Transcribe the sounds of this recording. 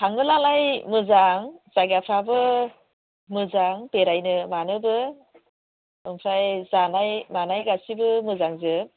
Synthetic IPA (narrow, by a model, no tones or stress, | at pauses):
tʰaŋɡɯlalajmɯzaŋz̥aɡapʰabɯ | mɯzaŋpeɾajnɯmanɯbɯ | ɯŋpʰɾajzanajmanajɡasibɯmɯzaŋzɯ